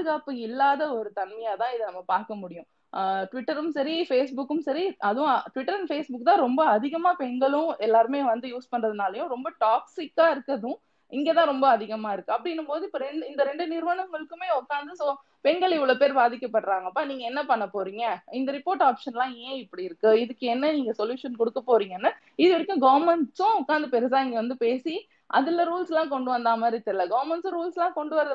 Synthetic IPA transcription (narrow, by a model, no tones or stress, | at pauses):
ɯɣaːpːɯɪlːaːðɐɔɾɯt̪ɐnmɐjaːt̪ãːɪðɯnɐmːɐpaːɾkɐmʊɽɪjʊ̃ | ʈʋɪʈːɐɾɯmsɐɾifeːsbʊkːɯmsɐɾiɐðʊ̃ʈʋɪʈːɐɾɐnfeːsbʊkːt̪ãːɾɔmbɐɐðɪɣɐmaːpɛnɡɐɭʊ̃ɛlːaːɾɯmeːʋɐnd̪ɯjuːspɐɳɾɐðɯnaːlɐjʊ̃ɾɔmbɐʈaːksɪkːaːɪɾɯkːɐðʊ̃ | ɪŋɡeːt̪ãːɾɔmbɐːðɪɣɐmaːɪɾɯkːɯɐpːɐɽɪnːɯmpoːðɯɪpːoɾɛnɪnd̪ɐɾɛɳɖɯnɪɾʋɐnɐŋɡɐɭɯkːɯmeːɔkːaːnd̪ɯsoː | pɛɳɡɐɭɪʋːɐɭoːpeːɾbaːðɪkːɐpːɐʈːɾaːŋɡɐpːaːniːŋɡɐɛnːɐpɐɳːɐpːoːɾiːŋɡɐɪnd̪ɐɾɪpoːɾʈaːpʂɐnlãːẽːɪpːɐɽɪɪɾɯkːɯɪðɯkːɯɛnːɐniːŋɡɐsɔljuːʂɐnkɔɽɯkːɐpːoːɾiːŋɡɐnːɯ | ɪðɯʋɐɾɪkːʊ̃ɡɐʋɐɾmɛɳʈsʊ̃ɔkːaːnd̪ɐpɛɾɐsãːɪŋɡɐʋɐnd̪ɯpeːsi | ʔɐ̰ðɪlːɐɾuːlslãːkɔɳɖɯʋɐnd̪aːmaːɾɪt̪ːɪlːɐɡɐʋɐɾmɛɳʈsʊ̃ɾuːlslãːkɔɳɖɯʋɐɾɐðɐ